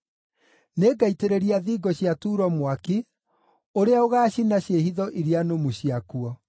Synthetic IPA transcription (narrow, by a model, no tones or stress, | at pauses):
neːɡaiteɾeɾiaðiːɡɔɕjatuːɾɔmwaki | oɾeaoɣaːɕinaɕehiðɔʔiɾianomuɕiakuɔ